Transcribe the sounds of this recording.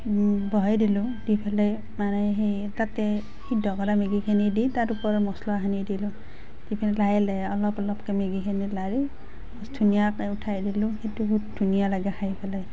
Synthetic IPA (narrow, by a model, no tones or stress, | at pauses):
bʱɔjdilʊ̃dipʰale | manɛɦej | tatɛ | hidʱɔkɔɾameɡikʰiniditaɾupɔɹɔmɔslɔaɦanidilʊ̃ | zipʰɛnilajlɛɔlɔpɔlɔpkemeɡikʰenilaɹi | sdʱunijakautʰajdilʊ̃xetuɡup̚dʱunijalaɡaxʰaipʰɛlaj